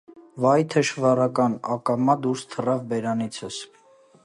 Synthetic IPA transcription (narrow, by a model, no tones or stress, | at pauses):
vɑjt̪ʰəʃvɑrɑkɑnɑ̰kɑmɑd̪uɾst̪ʰərɑvbɛɾɑnit͡sʰəs